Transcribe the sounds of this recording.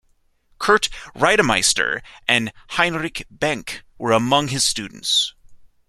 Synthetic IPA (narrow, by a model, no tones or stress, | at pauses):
kʰɜ˞tɹaɪɾəmaɪstə̰˞ʔɨ̃nhãɪ̃nɹɪkb̥æ̃ŋkwə˞əmʌ̃ŋɨz̥stʉdⁿn̩ts